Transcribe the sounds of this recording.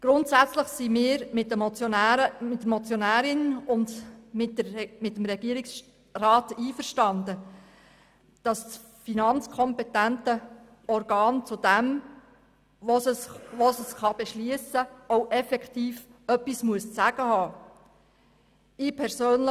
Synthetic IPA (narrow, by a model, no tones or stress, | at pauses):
ɡ̥ɾʊntsæt͡sləχsimɪːɾmɪtːəmt͡sːmɪtːəmɔt͡sjonæːɾɪnʊndmɪtəmɪtːəmɾɛɡ̥iəɾɪks | rɑːtiːfəɾʃtɑnd̪ə | d̥ɑss | finɑnt͡skʰɔmpɛtæntə | ɔɾɡɑːnt͡sud̥æm | osəʋosəsχɑb̥ɛʃliəsəoʊʔɛfɛktiːfœpːismuəst͡sæɡ̥əhɑː | ɪpʰɛɾsøːnlə